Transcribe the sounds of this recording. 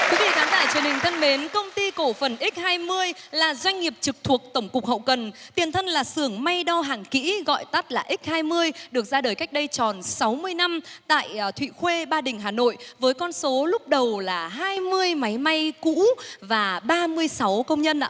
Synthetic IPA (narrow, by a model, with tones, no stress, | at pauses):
t̪wi˨˦wvḭ˧˨˩kaː˨˦t̪a̰ː˧˨jt͡ɕwənhï˨˩ŋ̟t̪ʰə˧nɓe˨˦nkə˧wŋ͡mt̪i˧ko˧˩fə˨˩nʔi˦˥k̟̚haː˧jmɨ˧əjlaː˨˩zwa˧jŋ̟ŋi˨˩əp̚t͡ɕɨ˨˩k̚t̪ʰu˨˩ək̚t̪ə˧˩wŋ͡mkʊ˨˩k͡pk̚hə̰˧˨wkə˨˩nt̪i˨˩ənt̪ʰə˧nlaː˨˩sɨ˧˩əŋma˧jɗɔ˧ɦaː˧˩ŋkḭ˧˥ɣɔ̰˧˨jt̪a˦˥t̚laː˨˩ʔi˦˥k̟̚haː˧jmɨ˧əjɗɨ˨˩ək̚zaː˧ɗəː˨˩jka˦˥k̟̚ɗə˧jt͡ɕɔ˨˩nsa˨˦wmɨ˧əjna˧mt̪a̰ː˧˨jt̪ʰwḭ˧˨xwe˧ɓaː˧ɗï˨˩ŋ̟ɦaː˨˩no̰˧˨jvəː˨˦jkɔ˧nso˨˦lʊ˦˥k͡p̚ɗə˨˩wlaː˨˩ɦaː˧jmɨ˧əjma˨˦jma˧jkṵ˧˥vaː˨˩ɓaː˧mɨ˧əjsa˨˦wkə˧wŋ͡mɲə˧nʔa̰ː˧